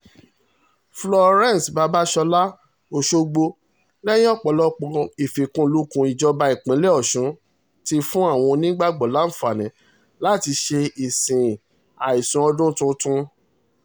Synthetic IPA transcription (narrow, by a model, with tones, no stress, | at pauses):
flɔ˧ɾɛ̃˦˨n˨sba˧˦ba˦ʃɔ˧la˦ | o˧ʃo˧ɡ͡bo˧ | lɛ˦j̃ɔ˦˨k͡pɔ˨˦˨lɔ˦k͡pɔ̃˧i˨fe˨kũ˦˧lu˦kũ˧i˨d͡ʒɔ˧ba˧i˨k͡pĩ˨˦lɛ˦ɔ˦˨ʃũ˨˦ | ti˧fũ˦a˦˨w̃ɔ̃˧nĩ˦ɡ͡ba˦˨ɡ͡bɔ˨la˦˨fa˨nɛ̃˨˦ | la˦˨ti˧ʃe˧i˨sĩ˨ | a˨i˨sũ˨˦ɔ˧dũ˦tũ˧tũ˧